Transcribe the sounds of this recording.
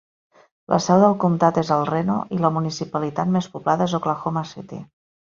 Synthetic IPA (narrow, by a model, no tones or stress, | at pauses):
lʔə̰sɛwðəlˠkumt̪at̪ezəlˠreno̰ʔiləmunisipəlit̪at̪mespublaðəezoklaxomaset̪ḭ